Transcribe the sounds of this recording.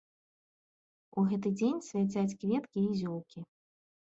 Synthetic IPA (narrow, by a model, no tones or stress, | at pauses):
uɣɛt̪̬ɨd͡zʲenʲsʲvʲat͡sʲat͡sʲkvʲɛt̪kʲiːzʲɔlˠkʲi